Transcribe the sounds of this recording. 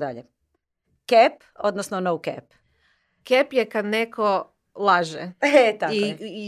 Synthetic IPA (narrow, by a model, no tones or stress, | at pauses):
d̪a̰ʎe | kep | o̰d̪nosnonowkḛp | kepjekad̪nekʰo | lˠaʒɛet̪ai